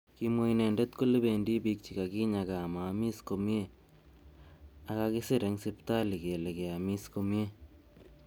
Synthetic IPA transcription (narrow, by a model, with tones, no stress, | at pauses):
kimo˦jne˨nde˦t̪̚ku˦lɪ˦be˨ndi˦bik̚t͡ʃi˨ka˨ɡi˦ɲaɡa˨ma˨mi˦skomie | aɣaki˦sɪɾe˨˦ŋsɪpt̪a˦liɡe˨leɡe˨amiskomje˦